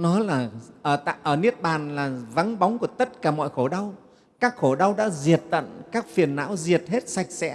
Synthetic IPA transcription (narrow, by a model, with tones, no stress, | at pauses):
nɔ˨˦laː˨˩ʔəː˧˩t̪a̰ː˧˨jʔəː˧˩ni˦˥ət̚ɓaː˨˩nlaː˨˩va˨˦nɓa˨˦wŋ͡mku˧˩ət̪ə˦˥t̚kaː˧˩mɔ̰˧˨jxo˧˩ɗa˧w | kaː˦˥k̚xo˧˩ɗa˧wɗa̰ː˧˥zi˨˩ət̚t̪ə̰˧˨nkaː˦˥k̚fi˨˩ənːa̰ː˧˥wzi˨˩ət̚he˦˥t̚sa˨˩jk̚sɛ̰˧˥